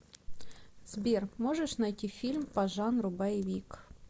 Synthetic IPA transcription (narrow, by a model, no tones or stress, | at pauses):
z̥bʲermoʐəʂnɐjtʲifʲilʲmpɐʐanɾʊbajɪvʲik